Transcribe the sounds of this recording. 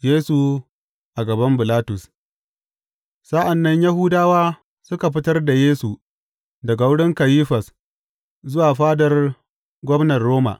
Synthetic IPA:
jeː˦su˨ | ʔa˨ɡɐ˨bɐ˦mbɪ˨laː˦tʊ˨s | sa˦ʔa˨nːɐ˦ɲjɐ˦ɦʊ˦daː˦waː˦ | sʊ˦ka˨ɸɪ˦tɐ˦rda˨jeː˦su˨ | dɐ˨ɡa˨wʊ˦ɽɪ˦ŋkɐ˨jiː˦ɸɐ˨s | zʊ˦waː˨ɸaː˦dɐ˨r | ɡʷɔ˦mnɐ˨rːoː˦ma̰˨ʔ

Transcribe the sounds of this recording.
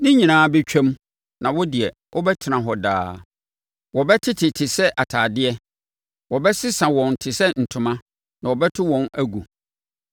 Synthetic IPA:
nɪ̃˦ɲĩ˨nãː˨˦bɛ˦t͡ɕᶣʰɛ̃˦m | nã˨wɔ˦dɪ˨ɛ˨ | ʔɔ˦bɛ˦tʰɪ˨nã˨ɦɔ˨da̰ː˦ | wɔ˨bɛ˦tʰɪ˦tʰɪ˨tʰɪ˨sɛ˦ʔa˨tʰaː˨dɪ˦ɛ˦ | wɔ˨bɛ˦sɪ˦sã˨wɔ̃˨ntʰɪ˨sɛ˦n̩˨tʰʊ̃˨mã˦ | nã˨wɔ˨bɛ˦tʰɪ˦wɔ̃˨næ˦ɡu˨

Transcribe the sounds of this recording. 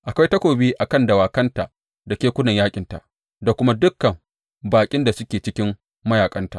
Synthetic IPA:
ʔa˨kʷa˦jtɐ˦kʷoː˨biː˦ʔa˨kɐ˦ndɐ˨waː˨kɐ˦nta˨ | da˨kʲeː˦kʷʊ˦nɐ˨ɲjaː˦kʲʼɪ˨nta̰˨ʔ | da˨kʷʊ˦ma˦dʊ˦kːɐ˨m | baː˨kʲʼɪ˦nda˨sʊ˦kʲeː˨t͡ʃɪ˦kʲɪ˦m | mɐ˦jaː˨kʼɐ˦nta̰˨

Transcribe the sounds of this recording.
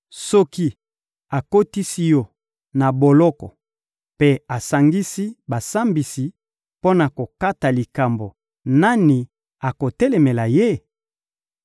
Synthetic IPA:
sɔ˦ki˦ | a˨ko˦ti˦si˦jɔ˦ | na˨bo˨lɔ˦kɔ̰˨ | pe˦a˨sa˨ŋɡi˦si˦ba˨sa˦mbi˨si˨ | po˦na˨ko˨ka˦ta˨li˨ka˨mbo˨ | na˦ni˨ | a˨ko˨tɛ˦lɛ˨me˨la˨je˦

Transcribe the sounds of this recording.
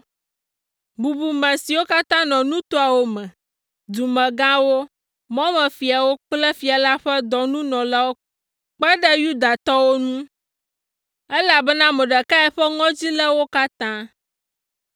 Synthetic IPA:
bu˨bu˨mɛ̃˨si˨wo˦ka˦t̪ã˦nɔ̃˨nũ˦t̪o˦a˨wo˦mɛ̃˨ | d̪u˨mɛ̃˨ɡã˦wo˦ | mɔ̃˦mɛ̃˨fi˨a˨wo˦k͡plɛ˦fi˨a˨la˦ɸɛ˦d̪ɔ˨nũ˦nɔ̃˨la˦wo˦ | k͡pɛ˦ɖɛ˦ju˦d̪a˨t̪ɔ˦wo˦nũ˦ | ɛ˦la˨bɛ˦nã˦mɛ˨ɖɛ˨ka˦ɛ˨ɸɛ˦ŋɔ̃˦d͡ʑi˦lɛ˦wo˦ka˦t̪ã˦

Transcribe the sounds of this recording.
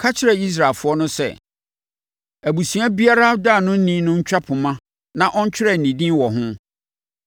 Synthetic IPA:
kʰa˦t͡ɕʰɪ˦ɾɛ˨i˦s̬ɾa˨lfʊ˨˦ɔ˦nʊ̃˦sɛ̰˦˨ | æ˨bu˨sĩ˨a˦bi˦a˦ɾa˦da˦˨nʊ̃˦n̩˦nĩ˦nʊ̃˦ɲ̩˦t͡ɕᶣa˦pʰʊ˨mã˦ | nã˨ʔɔ˦ɲ˦t͡ɕʰᶣɪ˦ɾɛ˨n̩˨nĩ˨dĩ˦wɔ˨ɦʊ̃˦

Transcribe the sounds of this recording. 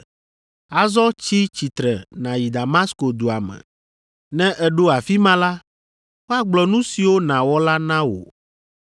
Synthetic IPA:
a˨zɔ˦t͡ɕi˦t͡ɕi˨t̪ɾɛ˨nã˨ji˨d̪a˨ma˦sko˨d̪u˨a˨mɛ̰̃˨ | nɛ̃˦ʔɛ˦ɖo˦a˨fi˦mã˦la˦ | wo˦a˨ɡ͡blɔ˨nũ˦si˨wo˦nã˨wɔ˦la˦nã˦wo̰˨

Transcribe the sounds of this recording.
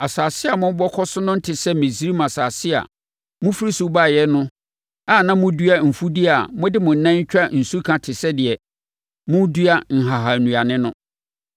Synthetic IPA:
a˨saː˨sɪ˦a˨mʊ̃˦bɔ˦kʰɔ˦sʊ˦nʊ̃˦n̩˦tʰɪ˨sɛ˦mɪ̃˨si˦ɾi˦m˨a˨saː˨sɪ˦a̰˨ | mʊ̃˦fi˦ɾi˦su˦ba˦˨jɛ˦nʊ̃˦ | a˦˨nã˦mʊ̃˦du˦a˦m̩˨fu˦di˦a˨mʊ̃˦dɪ˦mʊ̃˨n̩˦nã˦ɲ˦t͡ɕᶣɾa˦n̩˨su˦kʰã˨tʰɪ˨sɛ˦dɪ˨ɛ˨ | mʊ̃˦du˦a˦ŋ̩˨ɦa˨ɦa˨nũ˨a˨nɪ̃˦nʊ̃˦

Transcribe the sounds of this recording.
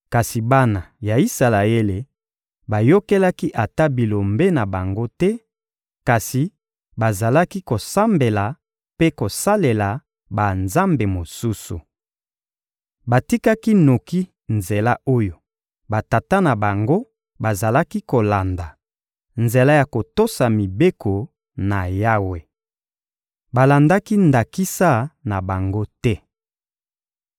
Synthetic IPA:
ka˨si˨ba˦na˨ja˨i˦sa˨la˨e˦le˨ | ba˨jo˦ke˦la˦ki˦ʔa˨ta˦bi˨lo˨mbe˦na˨ba˨ŋɡo˦tɛ˦ | ka˨si˨ | ba˨za˨la˦ki˦ko˨sa˦mbe˨la˨ | pe˦ko˨sa˦le˨la˨ | ba˨nza˦mbe˨mo˨su˦sṵ˨ | ba˨ti˦ka˦ki˦no˨ki˦ | nze˨la˦ʔo˦jo˨ | ba˨ta˨ta˦na˨ba˨ŋɡo˦ | ba˨za˨la˦ki˦ko˨la˨nda˨ | nze˨la˦ja˨ko˨to˦sa˨mi˨be˦kʰo˨ | na˨ja˦we˨ | ba˨la˨nda˦ki˦nda˨ki˦sa˦na˨ba˨ŋɡo˦tɛ˦

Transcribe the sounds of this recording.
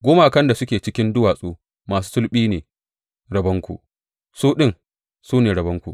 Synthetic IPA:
ɡʷoː˦ma˦ʔa˨kɐ˦nda˨sʊ˦kʲeː˨t͡ʃɪ˦kʲɪ˦ndʊ˦waː˨sʼuː˦ | maː˨s̬uː˦sʊ˦lɓiː˦neː˨ | ɽɐ˨bɐ˦ŋkʷṵ˨ʔ | suː˦ɗɪ˦ŋ | suː˦neː˨ɽɐ˨bɐ˦ŋkʷṵ˨

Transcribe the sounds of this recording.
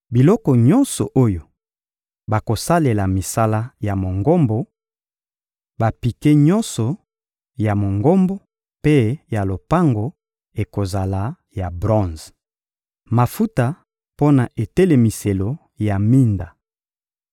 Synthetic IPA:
bi˨lɔ˦kɔ˨ɲɔ˦nsɔ̰˨ʔo˦jo˨ | ba˨ko˨sa˦le˨la˨mi˨sa˦la˦ja˨mo˨ŋɡo˦mbo˨ | ba˨pi˨ke˦ɲɔ˦nsɔ˨ | ja˨mo˨ŋɡo˦mbo˦ | pe˦ja˨lo˨pa˦ŋɡo˨ | e˨ko˨za˨la˨ | ja˨bʁɔ̃˦z | ma˨fu˦ta˨ | po˦na˨ʔe˨te˦le˨mi˨se˨lo˨ | ja˨mi˦nda˨

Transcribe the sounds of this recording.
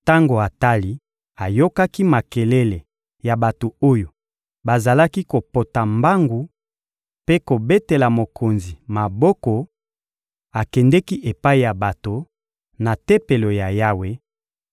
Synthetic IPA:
ta˦ŋɡo˨a˨ta˦li˦ | a˨jo˦ka˦ki˦ma˨ke˨le˦le˨ | ja˨ba˨to˨o˦jo˨ | ba˨za˨la˦ki˦ko˨po˨ta˨mba˦ŋɡu˨ | pe˦ko˨be˦te˨la˨mo˨kʰo˨nzi˨ma˨bɔ˦kɔ˨ | a˨kɛ˨ndɛ˦ki˦ʔe˨pa˦i˨ja˨ba˨to˨ | na˨te˦pe˨lo˨ja˨ja˦we˦

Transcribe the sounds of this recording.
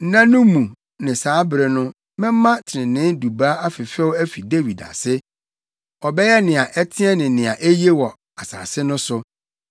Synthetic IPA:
n̩˦nã˦nʊ̃˦mũ˨ | nɪ̃˨saː˨˦bɾɛ˨nʊ̃˦ | mɪ̃˦m˦mã˦tʰɪ˨ɪ̃˨nɪ̃˦du˨ba˦a˦fɪ˨fɛ˦wæ˦fi˨de˦wi˨da̰˨sɪ˦ | ɔ˨bɛ˦jɛ˦nɪ̃˨a˨ʔɛ˦tʰɪ̃˦ɛ˦nɪ̃˨nɪ̃˨a˨ʔe˦je˦wɔ˨ | a˨sa̰ː˨sɪ˦nʊ̃˦sʊ˦

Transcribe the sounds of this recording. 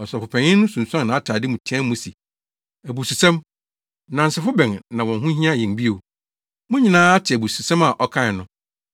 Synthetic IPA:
ɔ˨sɔ˨fʊ˨pʰɛ̃˨ɲɪ̃˦nʊ̃˦sũ˨nsã˦nː˨ã˨a˦tʰaː˨dɪ˦mũ˨tʰi˨˦ɛ̃˦mmũ˦si˨ | æ˨bu˨su˨sɛ̃˦m | nã˨n̩˨sɪ˨fʊ˦bɛ̃˨nnã˨wɔ̃˨nɦũ˦ɦĩ˦ã˦˨jɛ̃˨nbi˦o˨ | mʊ̃˦ɲĩ˨nãː˦a˦tʰɪ˨æ˨bu˨su˨sã˦ma˨ʔɔ˦kʰã˦˨nʊ̃˨

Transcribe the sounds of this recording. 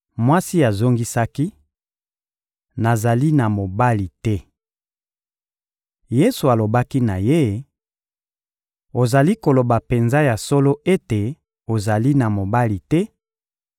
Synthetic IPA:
mwa˦si˦a˨zo˦ŋɡi˦sa˦ki˦ | na˨za˨li˦na˨mo˨ba˦li˨tɛ˦ | je˦su˨a˨lo˨ba˦ki˦na˨je˦ | o˨za˨li˦ko˨lo˨ba˨pe˨nza˦ja˨so˦lo˦ʔe˦te˨ | o˨za˨li˦na˨mo˨ba˦li˨tɛ˦

